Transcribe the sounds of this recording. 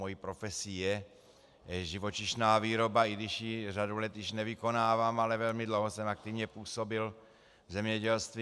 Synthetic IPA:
ojipɾo̞fɛsijɛ | ʒɪvo̞t͡ʃɪʃnaːviːɾo̞baɪɡdɪʃjiradulɛt̪jɪʃnɛvɪko̞naːvaːmalɛvɛlmɪdlowɦosɛmak̚t̪ɪvɲɛpuːso̞bɪl | vzɛmɲɛɟɛlst̪vi

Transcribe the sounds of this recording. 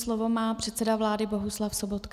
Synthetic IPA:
slovo̞maːpr̥ɛt̪sɛdavlaːdɪbo̞ɦuslafsobot̪k

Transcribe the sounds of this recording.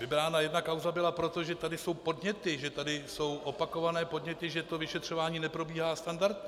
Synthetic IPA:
vɪbɾaːnajɛdnakawzabɪlapɾo̞t̪o̞ʒɛt̪adɪso̞wpo̞dɲɛt̪ɪʒɛt̪adɪso̞wʔo̞pako̞vanɛːpo̞dɲɛt̪ɪʒɛt̪o̞vɪʃɛt̪r̝̥o̞vaːɲiːnɛpɾo̞biːɦaːst̪andaɾt̪ɲ

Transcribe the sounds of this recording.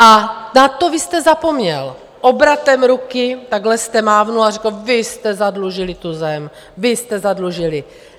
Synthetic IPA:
ʔanat̪ovɪst̪ɛzapomɲɛl | ʔobɾat̪ɛmɾukɪt̪aɡlɛst̪ɛmaːvnuarɛkl̩vɪst̪ɛzadluʒɪlɪt̪uzɛm | vɪst̪ɛzadluʒɪlɪ

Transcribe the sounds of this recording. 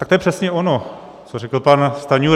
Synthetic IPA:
t̪akt̪ojɛpr̥ɛsɲɛono | t͡sorɛkl̩panst̪aɲu

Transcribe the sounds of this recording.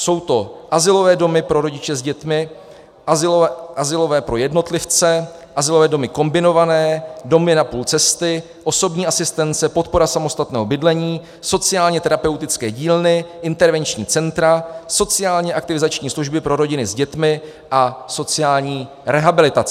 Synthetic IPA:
so̞wt̪o̞ʔazɪlo̞vɛːdo̞mɪpɾo̞ɾo̞ɟɪt͡ʃɛzɟɛt̪mɪ | ʔazɪoʔazɪlo̞vɛːpɾo̞jɛdno̞t̪lɪft͡sɛ | ʔazɪlovɛːdo̞mɪko̞mbɪno̞vanɛːdo̞mɪnapuːlt͡sɛst̪ɪ | ʔo̞so̞bɲiːasɪst̪ɛnt͡sɛpo̞t̪̚po̞ɾasamo̞st̪at̪nɛːɦobɪdlɛɲiː | so̞t͡sɪaːlɲɛt̪ɛɾapɛwt̪ɪt͡skɛːɟiːlnɪʔɪnt̪ɛɾvɛnt͡ʃɲiːt͡sɛnt̪ɾaso̞t͡sɪaːlɲɛʔak̚t̪ɪvɪzat͡ʃɲiːsluʒbɪpɾʔo̞ɾo̞ɟɪnɪzɟɛt̪mɪ | ʔaso̞t͡sɪaːlɲiː | ɾɛɦabɪlɪt̪at͡s

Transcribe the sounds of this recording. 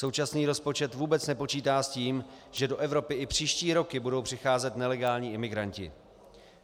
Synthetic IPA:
so̞wt͡ʃasniːɾo̞spo̞t͡ʃɛt̪vuːbɛt͡snɛpo̞t͡ʃiːt̪aːsciːmʒ̥ɛdo̞ʔɛvɾo̞pɪɪpr̝̥iːʃciːɾo̞kɪbudo̞wpr̝̥ɪxaːzɛt̪nɛlɛɡaːlɲiːʔɪmɪɡɾaɲcɪ̰

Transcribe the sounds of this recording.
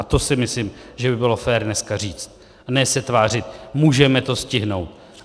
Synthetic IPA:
at̪o̞sɪmɪslɪmʒɛbɪbɪlofɛːɾnɛskar̝iːt͡st̪̚ | nɛsɛt̪vaːr̝ɪt̪muːʒɛmɛt̪o̞scɪɦno̞̰wt̪̚

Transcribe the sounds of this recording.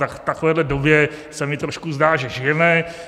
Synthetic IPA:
akt̪akovɛːdlɛdo̞bjɛsɛmɪt̪ɾo̞ʃkuzdaːʒɛʒɪjɛmɛ

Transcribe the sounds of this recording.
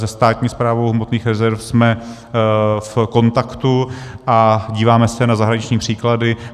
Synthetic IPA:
zɛst̪aːt̪ɲiːspɾaːvo̞wɦmot̪niːxɾɛzɛɾfsmɛ | fko̞nt̪akt̪uʔaɟiːvaːmɛsɛnazaɦɾaɲɪt͡ʃɲiːpr̝̥iːkladɪ

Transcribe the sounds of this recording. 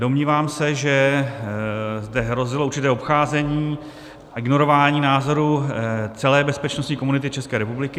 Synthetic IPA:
do̞mɲiːvaːmsɛʒɛ | zdɛɦɾo̞zɪlouɾt͡ʃɪt̪ɛːo̞pxaːzɛɲiː | ʔɪɡno̞ɾo̞vaːɲiːnaːzo̞ɾut͡sɛlɛːbɛspɛt͡ʃnost̪ɲiːkomunɪt̪ɪt͡ʃɛskɛːɾɛpublɪkɪ

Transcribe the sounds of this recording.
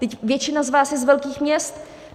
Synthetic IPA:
t̪ɛcvjɛt͡ʃɪnazvaːsjɛzvɛlkiːxmɲɛst̪

